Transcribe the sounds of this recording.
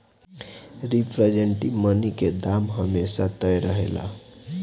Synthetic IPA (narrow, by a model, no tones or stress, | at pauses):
ɾipʰɾəd͡ʒeɳʈiməniked̪amɦəmesat̪əjɾəɦḛla̰